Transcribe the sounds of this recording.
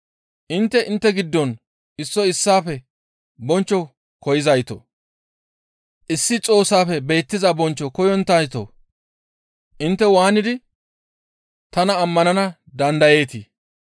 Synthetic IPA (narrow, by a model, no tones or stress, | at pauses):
ʔɪnt̪ːɛʔɪnt̪ːɛɡɪd̪ːɔn | ɪsːɔɪsːaːfɛ | bɔnt͡ʃːɔ | kɔjɪzɐjt̪o̰ | ʔɪsːɪt͡sʼo̞ːsaːfɛbe̞ːt̪ːɪzɐbɔnt͡ʃːɔkɔjɔnt̪ːɐjt̪o̰ | ʔɪnt̪ːɛwaːnɪd̪ɪ | t̪ɐnɐːmːɐnɐnɐ | d̪ɐnd̪ɐje̞ːt̪ɪ